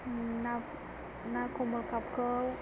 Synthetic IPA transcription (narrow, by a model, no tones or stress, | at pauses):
na | nakoməlkapkəw